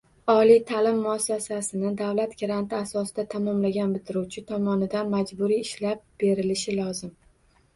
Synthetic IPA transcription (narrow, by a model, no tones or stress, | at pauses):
ɒlijt̪ʰalɪmːʊasːasasɪnɪd̪awlat̪ɡʲaɾant̪ʰɪasɒsɪd̪at̪ʰamɒmlaɡʲanbɪt̪ʰɪɾuwt͡ʃʰɪt̪ʰɒmɒnɪd̪anmad͡ʒbʊɾijɪʃlap̚b̥e̞ɾɪlɪʃɪlɒzɪm